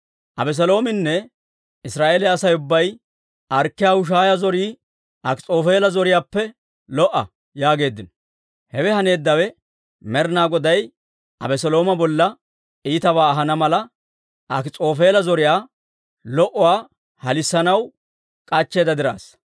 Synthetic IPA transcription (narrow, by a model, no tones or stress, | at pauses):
ʔɐbɛs̬ɛlo̞ːmɪnːɛ | ɪsɾaːʔeːlɛɐsɐjʊbːɐj | ʔɐɾkːɪjaːhʊʃ̬aːjɐzɔɾiː | ʔɐkɪt͡sʼo̞ːfe̞ːlɐzɔɾɪjaːpːɛ | lɔʔːɐ̰ | jaːɡe̞ːd̪ːɪnɔ | hɛwɛhɐne̞ːd̪ːɐwɛ | mɛɾnaːɡɔd̪ɐj | ɐ̰bɛsɔlo̞ːmɐbɔlːɐ | ʔiːt̪ɐβaːɐɦɐnɐmɐlɐ | ʔɐkɪt͡sʼo̞ːfeːlɐzɔɾɪjaː | lɔʔɔwaː | hɐlɪsːɐnɐw | kʼɐt͡ʃːe̞ːd̪ɐd̪ɪɾa̰ːs